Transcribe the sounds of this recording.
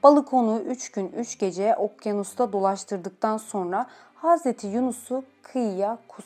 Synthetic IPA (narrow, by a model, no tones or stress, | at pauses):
b̥alˠɯkʰo̞nuʔyt͡ʃɟynyt͡ʃɟe̞d͡ʒɛʔo̞p̚janust̪ʰad̪o̞lˠaʃt̪ʰɯɾd̪ɯk̚t̪ʰanso̞nɾa | haːzɾet̪ʰijunusukʰɯjjakʰus